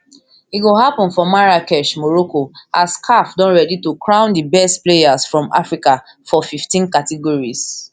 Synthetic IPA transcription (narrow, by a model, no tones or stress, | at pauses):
itɡoɦapɔ̃nfɔmaɹakɛʃmɔɹokoaskʰafdɔ̃nɹɛditukʰɹãʊ̃ndibɛstplejasfɹɔ̃ma̰fɹika | fɔfiftĩnkatɛɡɔɹis